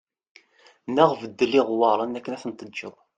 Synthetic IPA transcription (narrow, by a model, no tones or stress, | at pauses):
nəʁvəd̪ːəlːiʁwɑɾˤənækːənæθənt̪ədd͡ʒːəðˤ